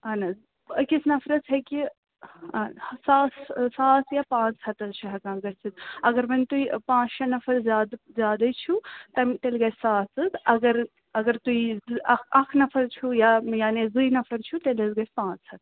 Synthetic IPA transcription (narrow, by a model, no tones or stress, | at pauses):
ɐnɐ | kisʰnɐfɾɐt̪ɦɐki | saːssaːsjapãːt͡shɐt̪ɐzʃʰɐɦɐɾkãːɐɡɐɾsʰit̪ɐɡɐɾmɐnt̪uipãːt͡ʃʃɐnɐfʰɐɾzaːd̪zjaːd̪ɐt͡ʃʰut̪ɐmt̪elɡɐssaːsɨt̪ɐɡɐɾ | ɐɡɐɾt̪uiɐɐkʰnɐfʰɐɾt͡ʃʰujajaːnizɨinɐfʰɐɾt͡ʃʰut̪elɐzɡɐspãːt͡shɐt̪